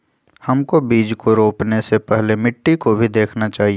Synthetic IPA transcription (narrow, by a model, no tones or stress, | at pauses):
hɐmkobiːd͡ʒkoɾoːpnesepɛɦlemɪʈːikobʱid̪eːkʰnat͡ʃaːɦie